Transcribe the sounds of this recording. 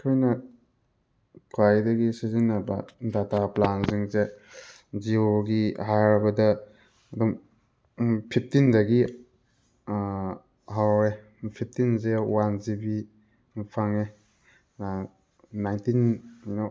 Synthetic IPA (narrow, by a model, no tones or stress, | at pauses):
kʰojnɐ | kʰajdɐɡisizinɐbɐ̰dataplanziŋze | zioɡiɦajɾbɐdɐː | dum | pʰip̚ʰtindaɡi | ɦawe | pʰip̚ʰtinzewanzibi | pʰaŋe | najntinano